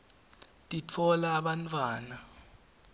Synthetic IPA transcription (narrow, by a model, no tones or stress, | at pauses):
tʼit͡fʰɔlaːɓantʰʼwaːna